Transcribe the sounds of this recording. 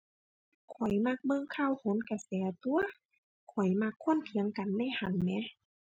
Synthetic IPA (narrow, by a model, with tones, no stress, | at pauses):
kʰɔ˨˩jma˧k̚mɤː˧˨ŋkʰa˧˨who˨˦nka˧sɛː˨˩t̪u˧ɐ | kʰɔ˨˩jma˧kʰːo˧˥˨nkʰi˨˦əŋka˨nːa˧˥˨jha˧˩nːɛ˧˥